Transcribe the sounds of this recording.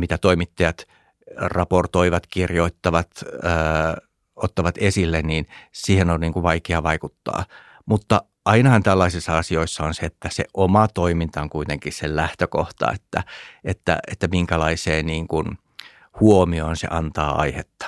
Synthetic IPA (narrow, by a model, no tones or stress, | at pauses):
mit̪æt̪oimit̪ːɑjɑt̪ | rɑport̪oiʋɑt̪kirjoit̪ːɑʋɑt̪əː | ot̪ːɑʋɑt̪esilːenniːnsiːhenonniːŋkuʋʋɑikeɑʋɑikut̪ːɑ̰ː | mut̪ːɑ | ʔɑinɑhɑnt̪ælːɑisisːɑɑsioisːɑonseet̪ːæseʔomɑt̪oimint̪ɑoŋkuit̪eŋkissellæht̪økoht̪ɑ̰ḛt̪ːæ̰et̪ːæ̰ʔet̪ːæmiŋkælɑiseːniːŋkun | huomioːnsḛʔɑnt̪ɑːɑ̰ihet̪ːɑ̥